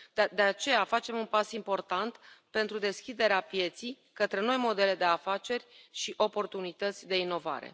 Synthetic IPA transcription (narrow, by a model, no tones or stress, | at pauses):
d̪e̞at͡ʃe̞jafat͡ʃe̞munpasimpo̞rt̪ant̪pe̞nt̪ɾud̪e̞skʲid̪e̞ɾeapje̞t̪sij | kət̪ɾe̞no̞jmo̞d̪e̞le̞d̪e̞afat͡ʃe̞rʲʃiʔo̞po̞rt̪unit̪ət̪sʲd̪e̞ino̞va̰ɾe̞̰